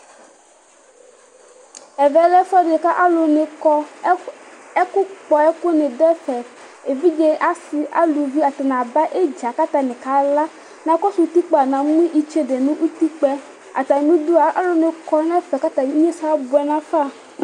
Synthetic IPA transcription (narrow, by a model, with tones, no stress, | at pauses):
ɛ˨vɛ˨lɛ˦fɔ˦de˨ka˦ʔa˦lo˨ne˨ɔ˦ | ɛ˦kʊ˦k͡pɔ˨ɛ˦ko˦nẽ˨dɛ˦fɛ˨ | e˨vi˦d͡ʒe˦ʔa˨si˨ʔa̰˦lu˨vi˦a˨t̪e˨nã˨ba˦ʔe˦d͡ʒa˨ka˦t̪a˨nẽ˨ka˦la˦ | nã˨˦kɔ˦su˨˦t̪i˦k͡pɛ˨a˨nã˨ŋ˦ĩ˦ʔi˨t͡ʃe˦de˨nũ˦ʔu˦t̪i˦k͡pɛ˦ | a̰˨t̪a˨nũ˦d̪u˦a˨a˨˦lo˨nẽ˨kɔ˦nɛ˦fɛ˨ka˦t̪a˨i˦ɲẽ˦sa˦bu˨ɛ˨nã˦fa˦˨